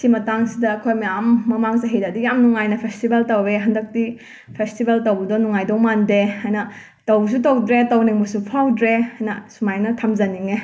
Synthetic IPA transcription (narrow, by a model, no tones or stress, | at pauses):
simɐtaŋsidɐːkʰojmɐjamːɐmaŋzaɦijdadijamnuŋajnɐpʰestibeltɐweɦɐndɐk̚ti | pʰestibeltɐwbɐdɔnuŋajdɔŋmandeajnɐ | tɐws̬utɐwdɾetɐwniŋbusupʰawdɾeajnɐsumajnɐtʰɐmzɐniŋe